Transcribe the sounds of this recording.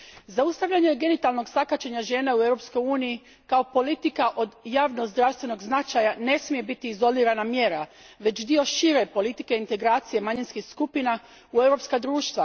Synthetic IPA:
zaust̪aʋʎaɲe̞ɡe̞nit̪alˠno̞ɡsakat͡ʃeɲaʒe̞ːnauewɾo̞psko̞juːniji | kao̞po̞lit̪ikaʔo̞d̪jaːʋnozd̪ɾawst̪ʋe̞no̞ɡznat͡ʃajane̞smije̞bit̪iːzo̞liːɾanamjeːɾa | ʋe̞t͡ʃd̪io̞ʃiɾe̞po̞lit̪ikeint̪e̞ɡɾaːt̪sije̞maɲinskixskupina | ue̞wɾo̞pskad̪ɾuːʃt̪ʋa

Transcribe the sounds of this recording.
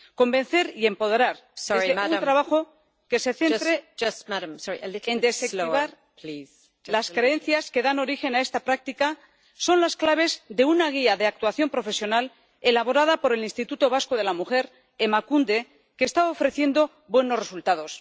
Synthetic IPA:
ko̞mbẽ̞n̟θe̞ɾie̞mpo̞ð̞eɾaɾseiemut̪ɾaβaxo̞ | ke̞se̞θe̞nɾed͡ʒʌsmaɾmsɔɹiʔəlɪend̪esekkiβaɾʰliz̥ | laskɾeẽ̞nθjaske̞ðano̞ɾixe̞nae̞st̪apɾak̚t̪ika | so̞nlasklaβ̞e̞zðe̞unaɣ̞iaðe̞ak̚t̪waθjo̞mpɾo̞fe̞sjo̞nal | e̞laβo̞ɾað̞apo̞ɾe̞linst̪it̪ut̪o̞β̞asko̞ðe̞lamuxe̞ɾ | emakund̪e̞ | kest̪aofɾe̞θje̞nd̪o̞ | bwe̞no̞sresult̪að̞o̞s

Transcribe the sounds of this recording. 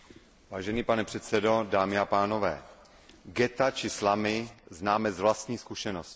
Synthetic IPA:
vaːʒɛniːpanɛpr̝̥ɛt̪sɛdo̞daːmɪapaːno̞vɛ̰ː | ɡɛt̪at͡ʃɪslamɪznaːmɛzvlast̪ɲiːskuʃɛnosc

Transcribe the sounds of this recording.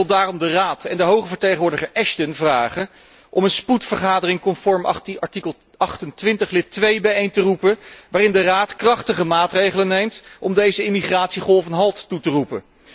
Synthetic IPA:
lˠdaːrɔmdəraːtɛndəɦowχəvəɹtejχəʋʊːɹdəχəɹʔɛʃtənvraːχə | ʔɔmənsputfəɹχaːdərɪŋkɔnfɔɹmɑɹtikəlˠ | ɑχtəntʋɪntəχlɪtʋejbɛjejntərupəʋaːrɪndəraːtkrɑχtəχəmaːtrejχələnejmtʔɔmdejzəɪmiχraːtsiχɔlˠvənɦɑlˠtːutərupə̰

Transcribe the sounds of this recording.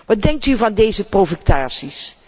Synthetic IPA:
ʋɑt̚dɛŋk̚tyvɑndejzəprowvəktaːsis

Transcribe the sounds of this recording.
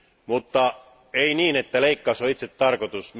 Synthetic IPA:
mut̪ːɑ | einiːne̞t̪ːæle̞ikːɑsoit̪se̞t̪t̪ːɑrkot̪us

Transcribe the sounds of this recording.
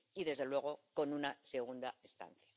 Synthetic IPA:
iðe̞zðe̞lwe̞ɣ̞o̞ko̞nunase̞ɣ̞und̪aest̪a̰nθjḁ

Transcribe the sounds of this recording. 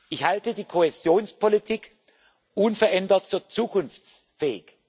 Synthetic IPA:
ʔɪçhaltədiːkʰohezjoːnspʰolitʰiːk | ʔunfɛɐʔɛndɐtfyːɐt͡suːkʰʊnft͡s | fɛːɪç

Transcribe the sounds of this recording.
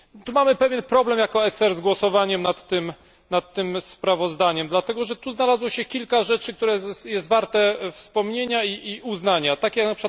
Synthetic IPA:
t̪umamɘpɛvʲjɛnpɾɔblɛmjakɔɛsɛɾzɡwɔsɔvaɲɛmnat̪ːɘm | nat̪ːɘmspɾavɔzd̪aɲɛmd̪lat̪ɛɡɔʐɛt̪uznalazwɔɕɛkʲilkaʐɛt͡ʂɘk̚t̪uɾɛjɛst̪vaɾt̪ɛfspɔmɲeɲaiiuznaɲat̪akʲjaknapʂɨkwat̪

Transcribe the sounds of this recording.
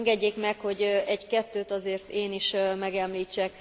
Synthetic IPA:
ŋɡɛɟːeːkmɛkho̞ɟɛɟkɛt̪ːøːt̪ɒzeːrt̪eːniʃmɛɡɛmliːt͡ʃːɛk̚

